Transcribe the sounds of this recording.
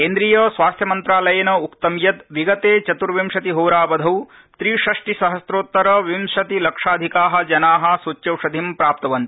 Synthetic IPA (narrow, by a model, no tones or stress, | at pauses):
keːnd̪ɾiːjɐsʋaːst̪ʰjɐmɐnt̪ɾaːlɐjɐnɐukt̪ɐmjɐt̪ʋiɡɐt̪eːt͡ʃɐt̪uɾʋimʃɐt̪iɦoːɾaːʋɐd̪ʱɐw | t̪ɾiːʃɐʂʈisɐɦɐsɾoːt̪ːɐɾɐʋimʃɐt̪ilɐkʂaːd̪ʱikaːɦɐ̆d͡ʒɐnaːɦɐ̆sut͡ʃjɐwʂɐd̪ʱimpɾaːp̚t̪ɐʋɐnt̪i